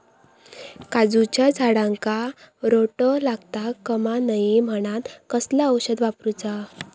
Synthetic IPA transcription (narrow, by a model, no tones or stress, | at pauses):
kad͡zut͡ɕjad͡zʱaɽãŋkaɾoʈəlaɡt̪akəmanəjem̤əɽ̃at̪kəslaəwɕəd̪ʋapɾut͡sa